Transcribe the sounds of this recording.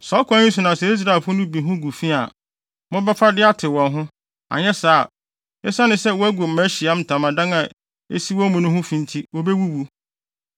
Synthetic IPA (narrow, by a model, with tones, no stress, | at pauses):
sɔ˨˦kʰʷã˦ɲĩ˦sʊ˨nã˨sɛ˨i˦s̬ɾa˨ɛ˨fʊ˦ʊ˦nʊ̃˦bi˨ɦʊ̃˦ɡu˨fi˦a˨ | mɔ̃˦bɛ˦fa˦dɪ˦a˦tʰɪ˨wɔ̃˨nɦʊ̃˦ | a̰˨ɲɛ˦saː˦˨ | ɛ˦sa˦nʊ̃˨˦sɛ˦wɔ˦æ˦ɡo˨m̩˨mæ˦ɕi˨a˦m̩˨tʰã˨mã˨dã˦ŋã˨ | e˦si˦wɔ˦mũ˨nʊ̃˦ɦʊ̃˦fĩ˨n˦tʰi˦wo˦be˦wu˦wu˦